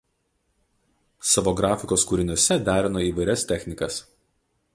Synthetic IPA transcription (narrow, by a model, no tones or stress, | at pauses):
sɐʋoːɡɾɑːfʲɪkoːskuːɾʲɪnʲʊɔsʲɛd̪ʲæːɾʲɪnoiːʋɐɪɾʲɛst̪ʲɛxʲnʲɪkɐs